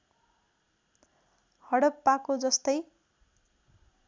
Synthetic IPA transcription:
hʌɽʌpːakod͡zʌst̪ʌj

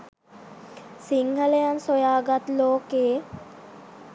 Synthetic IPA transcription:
siŋhɐlejansojaːɡat̪loːkeː

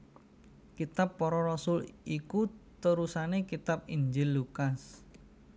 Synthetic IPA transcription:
kit̪apːɔɾɔrɔsʊlikut̪əɾusanekit̪ap̚iɲd͡ʒɪlːukas

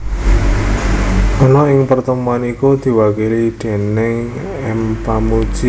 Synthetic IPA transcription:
ʔɔnɔɪŋpərt̪əmuanikud̪̥i̤wakilid̪̥e̤nɪŋ | ɛmpamud̥ʒ̥i

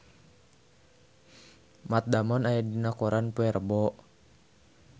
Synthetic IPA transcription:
mat̪̚damɔnajadinakɔɾanpuɛrbɔʔ

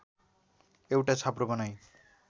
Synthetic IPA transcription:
ewʈat͡sʰaprobʌnaj

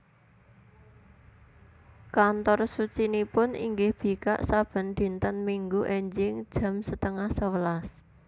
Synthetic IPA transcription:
kant̪ɔrsut͡ʃinipʊnḭŋɡɪhb̥i̤ka̰ʔsab̥ə̤nd̪̥i̤nt̪ənmiŋɡuʔeɲd͡ʒɪŋd̥ʒ̥ä̤msət̪əŋahsəwəlas

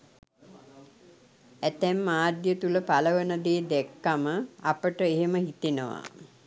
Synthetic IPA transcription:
æt̪ɛmːaːd̪jət̪uləpaləʋənəd̪eːd̪ɛkːaməapəʈəeɦeməhit̪enəʋa̰

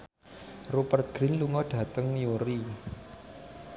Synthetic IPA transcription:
rupərt̪̚ɡ̥ɾinluŋɔɖ̥ä̤t̪əŋjuɾi

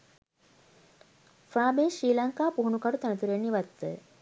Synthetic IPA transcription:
fɾaːbeːʃɾiːlaŋkaːpuɦunukaʈut̪ænət̪uɾeɳːiʋat̪ːə

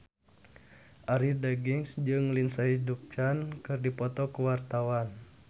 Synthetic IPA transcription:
ʔaɾidaɡiŋsd͡ʒɨŋlinsaiduk̚t͡ʃankɨrdipɔt̪ɔkəwart̪awan

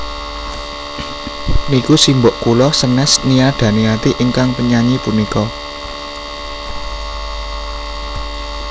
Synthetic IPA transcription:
nikusimboʔkulɔsənɛsniaɖ̪̥ä̤niat̪iʔiŋkaŋpəɲaɲipunikɔ

